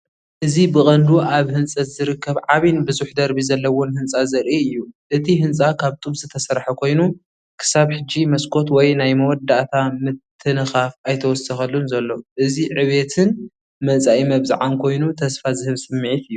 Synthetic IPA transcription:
ʔɨzibɨχʼɐnd̪uʔaβhɨnt͡sʼɐt̪zɨɾɨkʰːɐβʕaβinbɨzuħd̪ɐɾbizɐlːɐwʊnhɨnt͡sʼazɐɾʔiɨjːuʔɨt̪ʰiɦɨnt͡sʼakʰaβt̪ʼubz̥ɨt̪ʰɐsɐɾħɐkʰo̞jnu | kʰɨ̥saβħɨd͡ʒːimɐskʰot̪wɔjnajmɐwɔd̪aʔt̪ʰamɨt̪ʰːɨnɨxafajt̪ʰɐwɔsɐxɐlːunzɐlːo̞ʔɨziʕɨβet̪ʰɨn | mɐt͡sʼaʔimɐβza̰ʕankʰo̞jnut̪ʰɐsfazɨhɨβsɨmːɨʕit̪ɨjːu

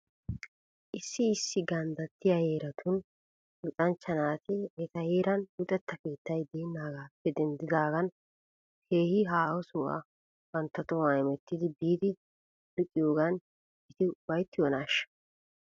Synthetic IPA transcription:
ʔɪsːɪːsːɪɡɐnd̪ɐt̪ːɪjɐjeːɾɐt̪ʰʊn | lʊt̪ʼɐnt͡ʃːɐnaːt̪ɪɛt̪ɐjeːɾɐnbʊt̪ʼɛt̪ːɐkeːt̪ːɐjd̪eːnːaːɡaːpːɛd̪ɛnd̪ɪd̪aːɡɐn | kʰeːhɪɦaːwɔsʊʔɐ̰ | wɐnt̪ːɐt̪ɔwɐjɛmɛt̪ːɪd̪ɪbiːd̪ɪ | lʊkʼːɪjoːɡɐn | bɪt̪ɪbɐjt̪ːɪwɔnaːʃːɐ̥

